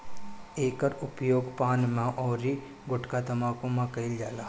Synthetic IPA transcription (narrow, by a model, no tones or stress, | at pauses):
eːkəɾʊpjoːɡpaːnmãʔɔːɾi | ɡʊʈkat̪ɐmaːkõmãkɐɪld͡ʒaːlaː